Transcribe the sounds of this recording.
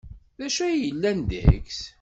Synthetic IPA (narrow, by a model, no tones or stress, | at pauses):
ðæʃæjjəlːænd̪əks